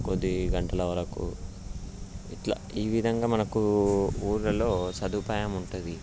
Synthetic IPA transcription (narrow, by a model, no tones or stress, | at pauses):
kod̪ːiɡɐɳʈɐlɐʋɐɾɐkṵ | iʈla̰ːiːʋid̪ʱɐŋɡaːmɐnɐkuuːɾlɐlo̞ːsɐd̪upaːjɐmuɳʈund̪i